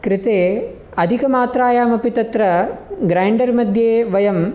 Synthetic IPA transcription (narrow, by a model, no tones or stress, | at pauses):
kɾɪt̪eː | ɐd̪ʱikɐmaːt̪ɾaːjaːmɐpit̪ɐt̪ɾɐɡɾajɳɖɐɾmɐd̪ʱjeːʋɐjɐm